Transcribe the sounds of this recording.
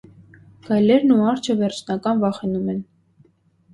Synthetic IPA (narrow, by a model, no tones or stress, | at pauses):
ɡ̥ɑjlɛɾnuɑɾt͡ʃʰəvɛɾt͡ʃʰnɑkɑnvɑχɛnumɛn